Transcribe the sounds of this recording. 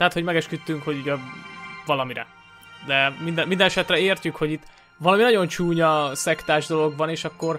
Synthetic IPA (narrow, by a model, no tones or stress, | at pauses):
t̪ɛɦːt̪ho̞ɟmɛɡɛʃkyt̪ːyŋkho̞ɟuɟɛvɒlɒmiɾɛ̰ | d̪ɛmind̪ɛind̪ɛnɛʃɛt̪rɛeːrcykho̞ɟit̪ː | vɒlɒminɒɟo̞nt͡ʃuːɲɒsɛkt̪aːʒd̪o̞lo̞ɡbɒneːʃɒkːo̞r